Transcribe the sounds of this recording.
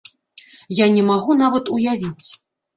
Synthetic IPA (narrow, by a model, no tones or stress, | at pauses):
janʲɛmaɣunavɐt̪ujavʲit͡sʲ